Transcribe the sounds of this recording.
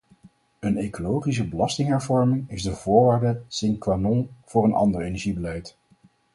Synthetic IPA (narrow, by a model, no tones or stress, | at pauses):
ənejkolowχis̬əbəlɑstɪŋɦɛɹvɔɹmɪŋɪzdəvʊːɹʋaːɹdəsɪŋkʋanɔnv̥ʊːɾənʔɑ̰ndəɹejnɛɹʒibəlɛjt